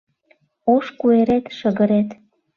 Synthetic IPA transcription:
oʃkueɾet̪ʃəɣəɾet̪

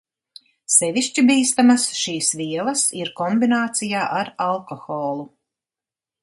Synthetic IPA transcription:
sɛvʲiʃt͡ʃibiːst̪amasʃiːsviɛlˠɐsiɾkɔmbinaːt̪sijaːʔaɾalˠkɔxɔːlˠu

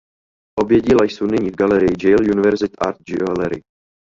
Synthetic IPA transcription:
ʔobjɛɟilajsownɪɲiːvɡalɛɾɪjɪd͡ʒɛjljunɪvɛɾzɪt̪ʔaɾt̪̚d͡ʒɪlɛɾɪ̰

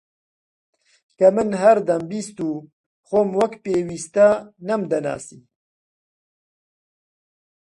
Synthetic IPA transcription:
kɐmɨnɦɐɾd̪ɐmbiːst̪uː | xoːmwɐkpeːwiːst̪ɐnɐmd̪ɐna̰ːsiː

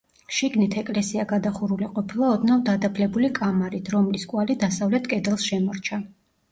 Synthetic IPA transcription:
ʃiɡnit̪ʰɛkʼlɛsiaɡad̪aχuɾuliqʼɔpʰilˠaɔd̪navd̪ad̪apʰlɛbulikʼamaɾit̪ʰɾɔmliskʼwalid̪asavlɛt̪ʰkʼɛd̪ɛlˠsʃɛmɔɾt͡ʃʰa

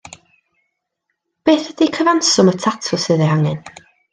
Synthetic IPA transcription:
b̥eːθəd̥ikʰəvansʊmətʰatʰʊsɨːðɛhaŋɨn

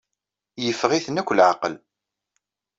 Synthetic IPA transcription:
jəfːʁiθənækʷːlʕaqəl

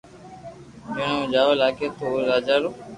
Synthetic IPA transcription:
menõd͡ʒaːʋlaːkeːt̪oɾaːd͡ʒaːɾoː

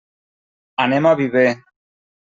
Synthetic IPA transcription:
anemaβiβe

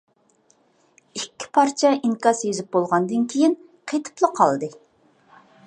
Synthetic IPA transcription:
ikʲːɪ̥pʰɑɾt͡ʃʰɛʔiŋkɑsjezɪp̚bolˠʁɑnd̪ɨnkʲʰejin | qʰet̪ʰɨ̥plˠəqʰɑ̰lˠd̪ɨ

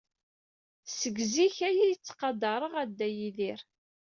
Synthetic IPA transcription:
səɡziçæjijət͡sːqɑd̪ɑɾˤəʁæd̪ːæjiðiɾ

